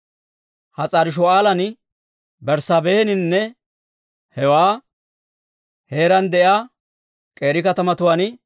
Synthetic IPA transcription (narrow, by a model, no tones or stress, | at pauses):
hɐt͡sʼɐɾɪʃ̬ɔaːlɐn | bɛɾsɐbeːnɪnnːɛ | hɛwaː | he̞ːɾɐnd̪ɛʔjaː | kʼe̞ːɾɪkɐt̪ɐmɐt̪ʊwaːn